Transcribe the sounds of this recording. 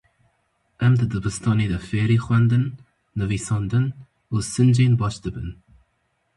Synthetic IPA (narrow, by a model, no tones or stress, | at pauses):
əmd̪əd̪əbəst̪ɔnid̪əfeːɾixwɛnd̪ənː | əviːsɔnd̪ən | osːənd͡ʒeːnbɔʃt̪əbən